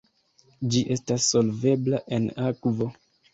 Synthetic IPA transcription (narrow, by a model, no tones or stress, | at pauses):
d͡ʒiʔe̞stasːo̞lve̞blaʔe̞nakvo̞